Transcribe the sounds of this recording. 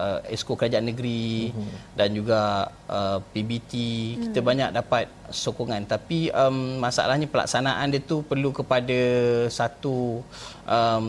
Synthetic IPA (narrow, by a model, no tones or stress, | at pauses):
əɛ̰skokəɾad͡ʒaanːəɡɾi | dand͡ʒuɡa | əpibit̪ikit̪əbaɲak̚dapat̪̚sokoŋãnt̪apiəmmasa̰a̰lahɲapəla̰ksanaʔandət̪upərlukəpadəsat̪uʔəm